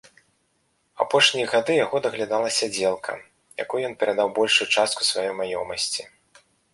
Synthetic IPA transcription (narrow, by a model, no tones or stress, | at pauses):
apɔʂnʲijɐɣad̪ɨjaɣɔd̪ɐɣlʲad̪alˠɐsʲɐd͡zʲɛlˠkʰɐ̰ | ja̰kɔjjɔnpʲɛɾad̪awbɔlʲʂujut͡ʂast̪ku̥svajɔjmajɔ̰mɐsʲt͡sʲi